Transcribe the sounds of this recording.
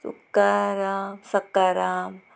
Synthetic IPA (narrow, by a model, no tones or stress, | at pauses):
sṵkːaɾaːmsɐkːaɾaːm